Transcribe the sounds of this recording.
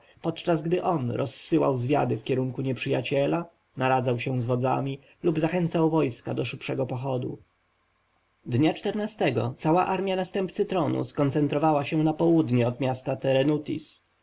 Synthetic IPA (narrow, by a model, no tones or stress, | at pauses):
pɔt̪t͡ʂazɡd̪ɘʔɔnɾʔɔsːɘwa̰wzvʲja̰d̪ɘfkʲɛɾuŋkuɲɛpʂɘjat͡ɕɛla | naɾad̪zawɕɛ̃zvɔd̪za̰mʲi | lubzaxɛnt̪sawvɔjska̰d̪ɔʂɘpʂɛɡɔpɔxɔd̪ṵ | d̪ɲat͡ʂt̪ɛɾnast̪ɛɡɔ̰t̪sawaʔaɾmʲjanast̪ɛmpt̪sɘt̪ɾɔnṵskɔnt̪sɛnt̪ɾɔvawaɕɛ̃napɔwud̪ɲɛɔd̪mʲjast̪at̪ɛɾɛnut̪ʲḭs